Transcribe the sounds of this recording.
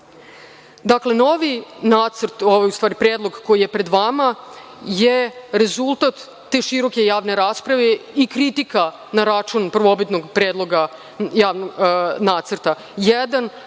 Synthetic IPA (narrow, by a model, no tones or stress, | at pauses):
d̪akle̞no̞ʋinaːt̪səɾt̪oʋajust̪ʋaːɾipɾeːd̪lˠo̞ɡko̞jijepɾe̞d̪ʋama | jeɾe̞zulˠt̪at̪ː | eːʃiɾo̞ke̞jaːʋne̞ɾaːspɾaʋeikɾit̪ika | naɾat͡ʃunpr̩ʋobit̪noɡpɾeːd̪lˠo̞ɡa | jaːʋnoɡnaːt̪sərɾt̪a | jɛd̪an